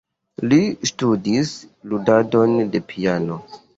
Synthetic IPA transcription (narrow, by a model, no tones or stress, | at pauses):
listudisludado̞nde̞pʰiano̞